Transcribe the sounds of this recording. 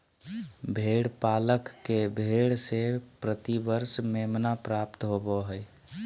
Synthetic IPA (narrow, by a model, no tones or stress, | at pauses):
bʱeɽpaləkːebʱeɽsepɾət̪ibəɾsmemnapɾapt̪ɦobɔɦəj